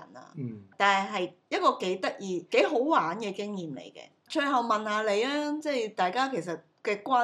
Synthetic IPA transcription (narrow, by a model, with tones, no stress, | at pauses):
ɐ̰˨˩na̰ː˧t̪aː˨nhɦɐ˨jɦɐ˨jjɐ˥t̚kɔː˧ke˨˥jt̪ɐ˥k̚jiː˨˧ke˨˥jɦo˨˥wwaː˨˥nkɛː˧kɪ˥ŋjiː˨˩mlḛ˨˩jkɛ̰ː˧ | t͡ʃʰɵ˧ɦɐ˨˩wmɐ˨nhaː˨˧le˨˧jlɛː˥t͡sɛ˥˩jt̪aː˨˩jkaː˥kʰe˨˩js̬ɐ˨t̚kɛː˧kʷaː˥